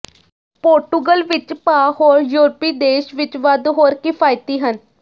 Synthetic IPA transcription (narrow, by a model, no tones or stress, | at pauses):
poːɾʈuɡəlʋɪt͡ʃpaːɦoːɾjuːɾpiːd̪eːʃʋɪt͡ʃʋəd̪ɦoːɾkɪpʰaːjt̪iːɦən